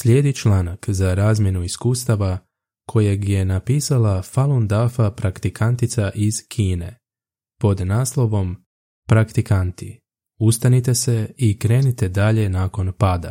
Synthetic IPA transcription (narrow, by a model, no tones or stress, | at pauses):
sʎʲe̞ːd̪it͡ʃlaːnakzaɾaːzmʲje̞nuiskuːst̪aʋa | kʰo̞jeɡje̞napiːsalafalˠond̪afapɾakt̪ikant̪it̪saʔiz̥kʰiːne̞̰ | po̞d̪naːslˠo̞ʋo̞m | pɾakt̪ikant̪i | ust̪anit̪e̞se̞ikɾe̞ːnit̪e̞d̪aʎe̞naːko̞npaːd̪a̰